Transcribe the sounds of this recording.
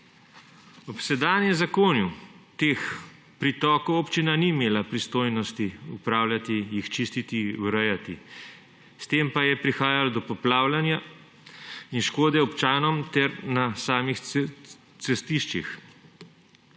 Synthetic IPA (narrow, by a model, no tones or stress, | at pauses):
ɔpsɛd̪aːnjɛmzakoːnjut̪eːx | pɾit̪ɔːkɔwopt͡ʃinanimeːlapɾist̪oːjnɔst̪iupɾaːwlʲjat̪ijixt͡ʃist̪it̪iwɾɛjat̪i | st̪eːmpajɛpɾixaːjalɔd̪ɔpɔplaːwlanja | inʃkoːd̪ɛɔpt͡ʃaːnɔmt̪ɛɾnasaːmix | sɛst̪iʃt͡ʃḭx